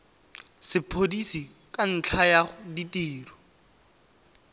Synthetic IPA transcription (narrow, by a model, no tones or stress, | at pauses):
sɪpʰodisi | kʼan̩t͡ɬʰajaχʊditʼiːrɔ